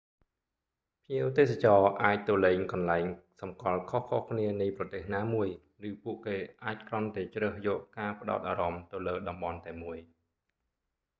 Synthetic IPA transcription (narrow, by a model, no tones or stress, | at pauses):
pʰiəwt̪eːs̬at͡ɕɑːʔaːc̚t̪oːleːŋkɑnlaɛŋsɑmkɑlkʰohkʰohkʰniənɨjprɑt̪eːhnaːmuəj | rɨːpuəʔkeːʔaːc̚krŏənt̪aɛt͡ɕrəːhjɔːʔkaːpə̆ɗa̰ɔt̪̚ʔaːɾɑmt̪ɨwləːɗɑmɓɑnt̪aɛmuəj